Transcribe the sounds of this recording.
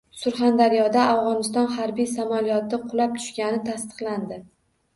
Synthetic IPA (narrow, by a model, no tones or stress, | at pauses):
sʊɾχand̪aɾijɒd̪aawʁɒnɪst̪ɒnhaɾbijsamalijɒt̪ɪqʰʊlap̚t̪ʰʊ̥ʃkʲanɪt̪ʰast̪ɨ̥qlˠand̪ɪ